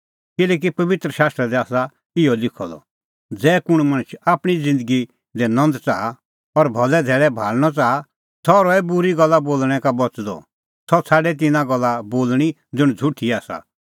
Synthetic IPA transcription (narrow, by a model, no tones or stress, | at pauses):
kɪlɛːk̬ipɐʋɪt̪ɾəʃaːst̪ɾɛd̪ɛaːsa | ɪjɔlɪkʰɔ̰lɔ̰ | d͡zɛːkʊɽ̃mɐ̃ñt͡ʃʰaːpɽ̃id͡zɪ̃nd̪əɡi | d̪ɛnɔ̃nd̪t͡saːa | ɔɾbʱɔlɛd̪ʱɛːɭɛbʱaːlɽ̃ɔt͡saːa | t̪ʰɔɾɔɛbʊɾiɡɐlːaboːlɽ̃ɛ̃kabɔt͡sd̪ɔ̰ | t̪ʰɔt͡sʰaːɖɛt̪̬ɪnãɡɐlːaboːlɽ̃i | d͡zʊɽ̃d͡zʱʊʈʰiaːsa̰